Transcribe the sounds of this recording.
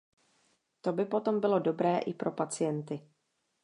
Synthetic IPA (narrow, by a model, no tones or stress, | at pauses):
t̪o̞bɪpo̞t̪o̞mbɪlo̞do̞bɾɛːʔɪpɾʔo̞pat͡sɪjɛnt̪ɪ